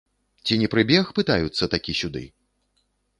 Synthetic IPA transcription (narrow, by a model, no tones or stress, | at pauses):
t͡sʲinʲɛpɾɨbʲɛxpɨt̪ajut̪sːɐt̪akʲisʲud̪ɨ̰